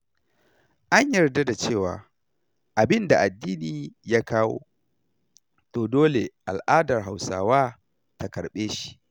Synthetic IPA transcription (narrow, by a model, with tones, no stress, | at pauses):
ʔa˦ɲjɐ˨rda˦da˨t͡ʃeː˦˨wa̰ː˨ | ʔa˨bɪ˦nda˨ʔa˨dːiː˦niː˨ja˦kaː˦wo̰ː˦ | toː˨doː˦le˨ʔa̰˨lʔaː˦dɐ˨rɦa˨wsaː˦waː˦ | ta˨kɐ˨ɽɓeː˦ʃi̥˨ʔ